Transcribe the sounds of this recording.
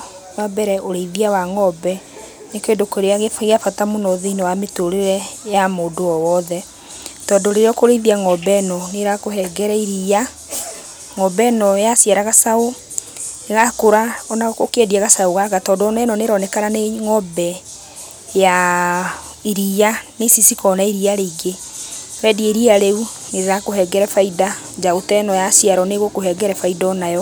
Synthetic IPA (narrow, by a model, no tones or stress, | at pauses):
wabɛɾɛʔoɾeiðiawaŋɔbɛ | nekeːndokwoɾeaɣefɣeafatamonɔðinewametoɾeɾɛjamoːdoɔwɔðɛ | tɔːndoɾeɾeɔkoɾeiðiaŋɔbɛnɔneɾakohɛɡɛɾɛiɾija | ŋɔbɛnɔjasjaɾaɣasao | eɣakoɾaɔnakokeɛdiaɣasaoɣaɣatɔːdoɔnɛnɔneɾɔnɛkaɾaneŋɔbɛ | ja | iɾianesisikɔnaiɾiaɾeiɡeɾɛdieɾiaɾeu | neɾeɾakoɦɛɡɛɾɛfaida | d͡ʒaotɛnɔjasijaɾɔneɣokoɦɛɡɛɾɛfaidaɔnajɔ